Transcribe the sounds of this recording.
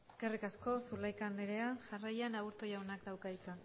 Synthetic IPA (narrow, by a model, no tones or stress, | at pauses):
eske̞rikasko̞sulajkand̪eɾeaʝarajanaɣuɾt̪ojawnakd̪awkaðit͡san